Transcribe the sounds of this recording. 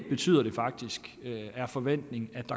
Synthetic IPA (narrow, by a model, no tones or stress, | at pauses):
b̥e̝t͡sʰy̰ːð̰ˠɐɾ̥e̝fɑ̈ɡ̥̚d̥isɡ̥æɐfɒ̽ʋen̰d̥ne̝ŋ̩æd̥ɑ̈